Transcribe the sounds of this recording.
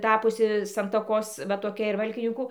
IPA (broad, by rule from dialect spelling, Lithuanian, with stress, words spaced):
ˈtɑːpʊsʲɪ sɐntɐˈkoːs ʋɐ toːˈkʲɛ ɪr ˈʋɐlʲkʲɪnʲɪŋkuː